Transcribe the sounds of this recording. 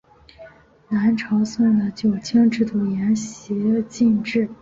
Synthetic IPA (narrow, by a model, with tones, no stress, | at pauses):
na˧˥nʈ͡ʂʰɑ˧˥ʊsə˥˩ŋd̪ə˩t͡ɕjo˨˩ʊt͡ɕʰjɛ˥ŋʈ͡ʂɻ̩˥˩t̪u˨˩jɛ˧˥nɕi˧˥˧t͡ɕi˥˧nʈ͡ʂɻ̩˥˩